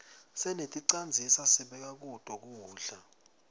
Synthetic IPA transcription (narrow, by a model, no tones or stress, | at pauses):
sɛnetʼiǀand͡zʱisasiɓɛk̬ʼak̬ud̥ʱʼɔk̬uːɮa